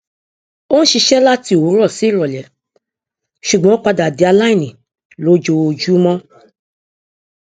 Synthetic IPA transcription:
o˦ñ̩˦ʃi˧ʃɛ˦la˦ti˧˦o˨wo˨˦ɾɔ˦˨si˨˦˨ɾɔ˨lɛ˨˦ | ʃu˨ɡ͡bɔ̃˨˦k͡pa˧da˨de˨˦a˧la˦i˦˨nĩ˨ | lo˨˦d͡ʒo˧d͡ʒu˦mɔ̃˦

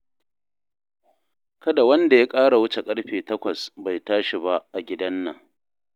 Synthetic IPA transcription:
kɐ˦da˨wɐ˦nda˨ja˦kʼaː˦ɽa˨wʊ˦t͡ʃe˨kʼɐ˦ɽɸeː˨tɐ˦kʷɐ˨sba˨jtaː˦ʃi˨ba˦ʔʔa˨ɡʲɪ˦dɐ˦nːɐ˨

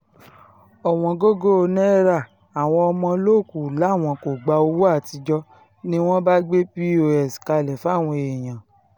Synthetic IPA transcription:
ɔ˨w̃ɔ̃˧ɡo˦ɡo˦o˧nɛ̃˦ɾa˦˨ | a˨w̃ɔ̃˧ɔ˧mɔ̃˧lo˦˨ku˨la˨˦˨w̃ɔ̃˧ko˨ɡ͡ba˧o˧wu˦a˦˨ti˧d͡ʒɔ˧ | nĩ˦w̃ɔ̃˦ba˦ɡ͡be˦pi˦o˧ɛ˨si̥˨ka˧lɛ˨fw̃ɔ̃˧e˨j̃ã˨

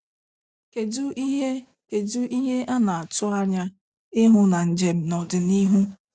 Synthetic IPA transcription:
ke˨du˦i˦ɦe˦ | ke˨du˦ʔi˦ɦe˦ʔa˦na˨a˨tʊ˦a˦ɾa˦ | ɪ˦ɦʊ˦na˨n̩˨d͡ʒe˨m̩˨˦nɔ˨dɪ˨ni˦ɦu˦

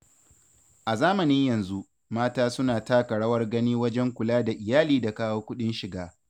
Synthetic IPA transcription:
ʔa˨zaː˦mɐ˨nɪ˦ɲjɐ˨nzu˦ | maː˦taː˦sʊ˦naː˨taː˦kɐ˨ɽɐ˦wɐ˦rɡɐ˦niː˦wɐ˦d͡ʒɛ˦ŋkʷʊ˨laː˦da˨ʔɪ˨jaː˦liː˦da˨kaː˦woː˦kʷʊ˦ɗɪ˦nʃɪ˨ɡaː˦

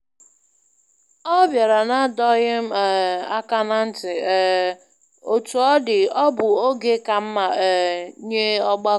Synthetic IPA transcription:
ɔ˦bja˨ɾa˨na˦dɔ˦ɣɪ˦m̩˦˨a˦ka˦na˦n̩˦tɪ˨ | o˨tu˨ɔ˦dɪ˨ɔ˦bʊ˨o˦ɡe˦ka˨m̩˦ma˨ɛ˨˦ɲe˦ɔ˦ɡ͡ba˦

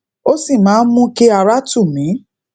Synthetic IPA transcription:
o˦si˦˨mãː˨˦n̩˦mũ˦ke˦a˧ɾa˦tu˦˨mĩ˨˦

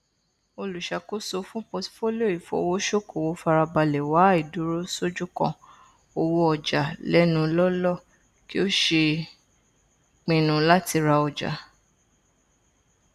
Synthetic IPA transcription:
o˧lu˨ʃa˨ko˦so˧fũ˦po˧tfo˦lo˦˨i˨fo̰˨˦wo˦ʃo˦˨ko˨wo˨˦fa˧ɾa˧ba˧lɛ˨wa˨˦i˨du˨˦ɾo˦so˦d͡ʒu˦kɔ̰̃˧ | o˧wo˧˦ɔ˨d͡ʒa˨lɛ˦nũ˧lɔ˦lɔ˦˨ | ki˦o˦ʃe˧ | k͡pĩ˨˧nũ˧la˦ti˧ɾa˧ɔ˨d͡ʒa̰˨

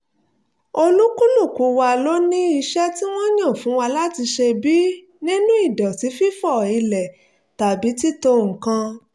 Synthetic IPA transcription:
o˧lu˦ku˦lu˦˨ku˨wa˧lo˦nĩ˦i˧ʃɛ˦ti˦w̃ɔ̃˦ɲ̃ã˦˨fũ˨˦wa˧la˦ti˧ʃe˧bi˦ | nĩ˦nũ˦i˦˨dɔ˨ti˨˦fi˦fɔ˦˨i˧lɛ˨ | ta˨bi˨˦ti˦to˧ŋ̩̃˨kã˧

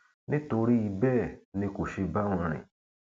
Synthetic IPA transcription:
nĩ˦to˧ɾi˦i˧bɛː˦˨nĩ˧ko˨ʃe˧ba˦w̃ɔ̃˧ɾ̃ḭ̃˨

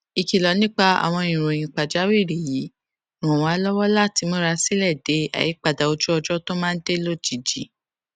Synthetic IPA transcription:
i˧ki˨lɔ˨˦nĩ˦k͡pa˧a̰˨w̃ɔ̃˧ĩ˨ɾ̃õ˨ĩ˨k͡pa˨d͡ʒa˨˦wi˦˨ɾi˨ji˨˦ | ɾ̃ɔ̃˨wa˨˦lɔ˦wɔ˦la˦˨ti˨˧˦mo˦ɾa˧si˦lɛ˦˨de˨˦a̰˨ji˨˦k͡pa˨da˨o˧d͡ʒu˦ɔ˧d͡ʒɔ˦to˦mã˦n̩˦de˦lo˦˨d͡ʒi˨d͡ʒi˨˦

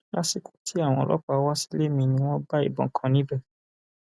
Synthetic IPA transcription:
la˦si˦kũ̥˦tʰi˦a˦˨w̃ɔ̃˧˨lɔ̰˦k͡pa˨˧˦wa˦si̥˦le˦mĩ˧nĩ˧˦w̃ɔ̃˦ba˦ḭ˦˨bɔ̰̃˨kʰã˨nĩ˦bɛ˦˨

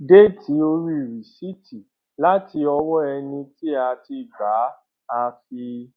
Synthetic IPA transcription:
de˦˨ti˨˦o˧ɾi˦i˨ɾi˨si˦tʰi˨ | la˦ti˧ɔ˧wɔ˦ɛ˧nĩ˧ti˦a˧ti˧ba˨˦ | a˧fi˧

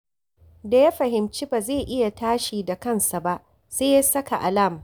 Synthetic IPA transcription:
da˨ja˦ɸɐ˨ɦɪ˨mt͡ʃiː˦baː˨zeː˦˨ʔɪ˦ja˨taː˦ʃiː˨da˨kɐ˦˨nsa˨ba˦ʔ | seː˦ja˦sɐ˦ka˨ʔa˨la˦˨m˨

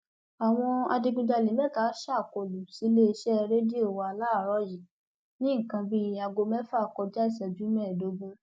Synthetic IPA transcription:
a˨w̃ɔ̃˧a̰˧di˧ɡũ˧d͡ʒa˧˨li˨mɛ̃˦˨ka˨˦ʃa˦˨ko˨lu˨si˨˦le˦˧ʃɛ˦˧ɾe˦di˦o˦˨wa˨a˧la˦˨ɾɔ˧˦ji˨ | nĩ˦˨kã˧bĩ˧˦a˧ɡo˧mɛ̃˦fa˦˨kɔ˧d͡ʒa˦i˦˨sɛ˨d͡ʒũ˨˦mɛ̃˦˨do˨˦ɡũ˦

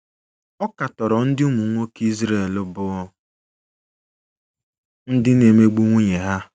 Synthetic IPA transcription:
ɔ˦ka˨tɔ˨ɾɔ˨n̩˦dɪ˦u˦mu˨˦ŋʷo˦ki˦zɾe˦˨lʊ˦bʊ˨˦ | n̩˦dɪ˦ne˨me˦ɡ͡bu˦ŋʷu˦ɲe˨ɦa˦

